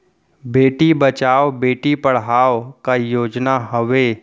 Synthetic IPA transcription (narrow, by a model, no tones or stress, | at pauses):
beːʈibət͡ʃaːobeːʈipəɽ̤ɦaːʋkajoːd͡ʒnaɦəʋe